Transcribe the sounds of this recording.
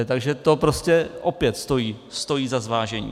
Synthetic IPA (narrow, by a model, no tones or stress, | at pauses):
t̪aɡʒɛt̪o̞pɾoscɛʔo̞pjɛt̪st̪o̞jiːst̪o̞jiːzazvaːʒɛɲḭː